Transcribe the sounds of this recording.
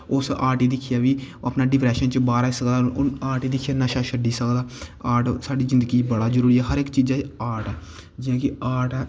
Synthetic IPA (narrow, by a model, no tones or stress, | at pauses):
ʊsaːɾʈiːd̪ɪkʰːijaːʋiːapnaːɖɪpɾɛːʃənt͡ʃəbaːɾaːisəkd̪aːaːɾʈiːd̪ɪkʰːjaːnaːʃaːʃəɖiːsəkd̪aːaːʈsaːɖiːzɪ̃nd̪əɡiːt͡ʃbəɽaːzəɾuːɾiːɛːɦəɾɪkt͡ʃiːd͡ʒaːt͡ʃaːʈɛː | d͡ʒɪjãːkɪaːʈɛː